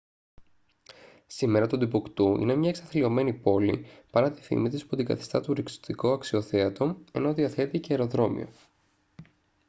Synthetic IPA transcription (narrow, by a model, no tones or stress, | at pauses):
sime̞ɾɐt̪ud̪ipukt̪uʔḭne̞mɲɐeksɐθlio̞me̞nipo̞lḭpɐɾɐt̪i̥fḭmit̪ispot̪iɡɐ̰θi̥st̪ɐt̪uɾikso̥t̪ikoɐksio̞θeɐt̪o̞me̞noðiɐθe̞t̪iceeːɾo̞ðɾo̞mḭo̞̰